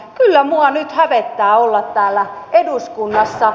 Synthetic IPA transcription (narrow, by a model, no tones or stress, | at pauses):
kylːæmuɑnyt̪hæʋet̪ːæːolːɑt̪tæːlːæeduskunːɑsːɑ